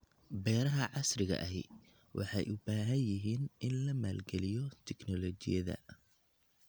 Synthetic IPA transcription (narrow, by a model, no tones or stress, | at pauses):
bɛːɾɐɦɐʕɑsrɪɣɐ̰ʔɐɦɪ | wʔɑ̰ħɑjʔʊbaːɦɐnjɪɦiːnʔɪnlɐmaːlɡɛlɪjɔt̪ʰɛɡnɔlɔt͡ʃɪ̰jɐðɐ̰